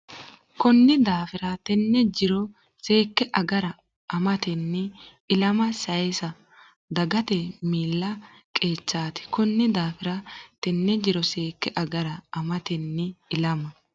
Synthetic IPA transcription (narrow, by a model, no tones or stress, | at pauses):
kɔnːɪd̪aːfɪɾɐt̪ɛnːɛd͡ʒɪɾɔ | se̞ːkːɛʔɐɡɐɾɐ | ʔɐmɐt̪ɛnːɪ | ɪlɐmɐsɐjɛsɐ | d̪ɐɡɐt̪ɛmiːlːɐ | kʼeːt͡ʃːaːt̪ɪ̥kɔnːɪd̪aːfɪɾɐt̪ɛnːɛd͡ʒɪɾɔse̞ːkːɛʔɐɡɐɾɐɐmɐt̪ɛnːɪɪlɐmɐ